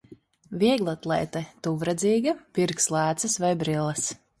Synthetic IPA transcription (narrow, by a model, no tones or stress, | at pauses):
vʲiɛɡlˠɔt̪lˠɛ̰jt̪ɛt̪uvɾad̪ziːɡɐpiɾkslˠæːt̪sɨsvajbɾilˠɐs